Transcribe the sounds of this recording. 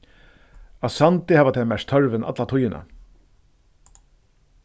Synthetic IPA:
asant̪ɪhaːvat̪ʰɛːmæʂt̪ʰœɹvɪnʔa̰t̪lat̪ʰʊjːɪna̰

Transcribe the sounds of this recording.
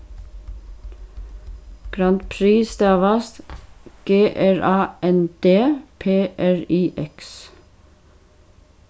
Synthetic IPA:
ɡ̥ɾɑnt̪pʰɾiːsd̪ɑʋɑst̪ɡ̥eːʔæɹɑːʔɛnd̪̥eːpʰeːʔæɹiːʔɛks

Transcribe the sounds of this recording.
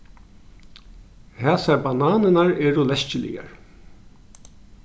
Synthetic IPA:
haːsaɾbanaːnɪnaɹɛːɾʊlɛscɪlɪ̰ja̰ɹ

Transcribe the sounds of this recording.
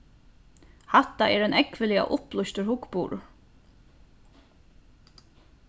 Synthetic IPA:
hat̪ːaʔɛɾɛnɛkʋɪlia̰ʔʊplʊst̪əɾhʊkpuːɾʊ̰

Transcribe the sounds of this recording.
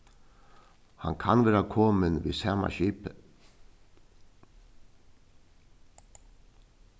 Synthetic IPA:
ha̰nkʰanʋeːɾakʰɔːmənʋḭːsɑːma̰ɕiːpə

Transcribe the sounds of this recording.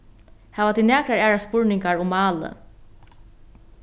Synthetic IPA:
hɛːvat̪ʰiːnæːkɾaɾæːɹaspʊɹnɪŋkaɹʊmːɑːlə̰

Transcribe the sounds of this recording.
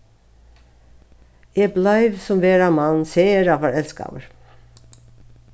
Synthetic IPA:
jeblɑɪʋsɔmʋeːɾɑmɑnn̩seːəɾɑːʋhɑːɹɛlskɑ̰ːʋəɹ

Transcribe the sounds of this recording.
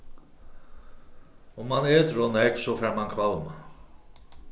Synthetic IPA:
ʊmːanɛːt̪ɾɔnɛksɔfɛɾmankʰvawma

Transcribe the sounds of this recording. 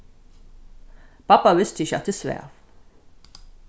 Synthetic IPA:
pɐpːɐwɪst̪iʃɐ̰ʔt̪ɪswɛ̰f

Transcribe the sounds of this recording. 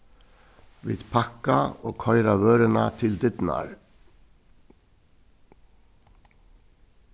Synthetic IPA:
ʋɪ̰ːd̪pʰɑkɑoːkʰœʏɾɑʋøːɾənɑt̪ʰɪld̪ɪd̪n̩ɑ̰ɾ

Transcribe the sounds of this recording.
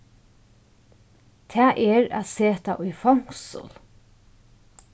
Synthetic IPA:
t̪ʰɛːʔɛɾæ̰ðseːt̪aʔʊjfɔwŋ̥ksʊ̰l

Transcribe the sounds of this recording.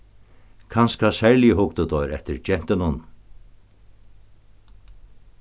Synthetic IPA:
kʰanskasɛɹlɪɦʊkt̪ʊt̪ɔjɾɛht̪ɪɾt͡ʃɛn̥t̪ɪnʊn

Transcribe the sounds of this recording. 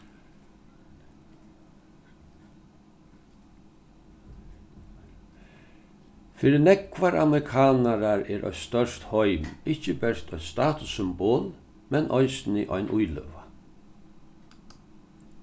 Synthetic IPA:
fɪːɾɪnɛkʋaɾa̰mɾɪkʰaːnaɾaɾɛːɾʔɔ̰ʏst̪œʂt̪hɔʏmɪt͡ʃəbɛɾt̪ʰɔʏjst̪aːt̪ʊsːʏmboːl | mɛnʔɔɪsnɪ̰ʔɔ̰ʏnʔujlø̰ːʋa

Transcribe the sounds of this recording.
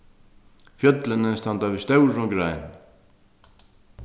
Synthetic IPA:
fjœt̪lɪnɪst̪ant̪avɪst̪owɾɔɡɾajn

